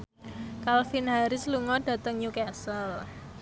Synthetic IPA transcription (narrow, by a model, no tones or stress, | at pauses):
kalfɪnɦaɾɪsluŋɔɖa̤t̪əŋɲukɛsəl